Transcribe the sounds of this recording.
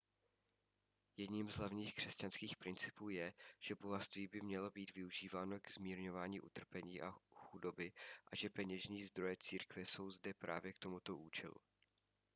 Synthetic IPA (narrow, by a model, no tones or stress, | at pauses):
jɛdɲiːmzɦlavɲiːxkr̝̥ɛscanskiːxpɾɪnt͡sɪ̥puːjɛʒ̥ɛboɦast̪viːbɪmɲɛlo̞biːt̪vɪuʒiːvaːno̞ɡɛzmiːɾɲo̞vaːɲiːʔṵt̪r̩pɛɲiːʔaxudo̞bɪʔaʒɛpɛɲɛʒɲiːzd̪ɾo̞jɛt͡siːɾkvɛso̞wzdɛpɾa̰ːvjɛkt̪o̞mut̪o̞ʔuːt͡ʃɛlṵ